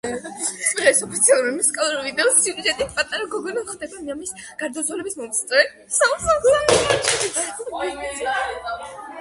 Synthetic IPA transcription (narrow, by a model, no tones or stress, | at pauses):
ʁɛsɔpʰit̪sʰialˠuɾimusi̥kʼalˠuɾivid̪ɛsjuɾid͡ʒɛt̪ʼipʼat̪ʼaɾaɡɔɡɔnaχd̪ɛbaniamis | ɡ̥aɾd̪azwɛlɛbismɔmt̪sʰt̪ʼɛ | sausaɡulˠanɛaɾt͡ʃʰɛd̪ia